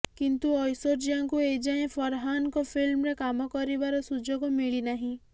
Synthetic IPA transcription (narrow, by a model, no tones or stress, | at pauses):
kint̪uɔjsoɾd͡ʒiãŋkued͡ʒaẽpʰɔɾɦankɔpʰilmɾekamɔkɔɾibaɾɔsud͡ʒoɡomiɭinaɦĩ